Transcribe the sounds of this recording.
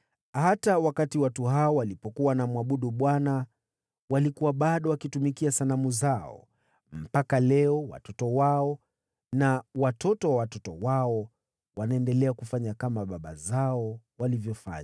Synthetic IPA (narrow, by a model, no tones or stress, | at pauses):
hatawakatiwatuhaɔwalipɔkuwanamuwaɓuɗuɓwana | walikuwaɓaɗɔwakitumikiasanamuzaɔ̰ | m̩pakalɛɔwa̰tɔtɔwaɔ | nawatɔtɔwawatɔtɔwaɔ | wanaɛndɛlɛakufaɲakamaɓaɓa̰zaɔ | walivjɔfa̰ɲa